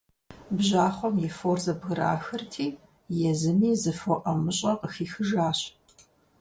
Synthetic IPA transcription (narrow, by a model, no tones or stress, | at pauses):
bʑaːχʷɔmjɛfoːrzɐbɣɨɾa̰ːxɐrtʰiː | jɛzɨmiːzɨfoʔɐmɨɕʼɐqəxiːxɨʒaːɕ